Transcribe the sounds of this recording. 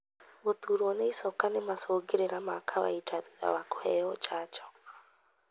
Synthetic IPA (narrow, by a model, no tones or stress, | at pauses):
βot̪uɾwɔneisɔkanemasoɡeɾeɾamakʰawa̰itʰaa̰wakɔɛɔt͡ʃat͡ʃɔ̥